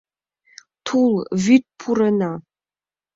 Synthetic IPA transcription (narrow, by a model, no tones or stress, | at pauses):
tʰulvit̚pʰurɐna